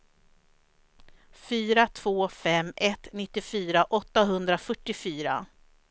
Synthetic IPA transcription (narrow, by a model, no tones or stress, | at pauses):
fyːɾat̪ʰvoːfɛmɛt̪nɪt̪ːɪfyːɾaʔɔt̪ːaɦɵnd̪ɾafœʈːɪfyːɾa̰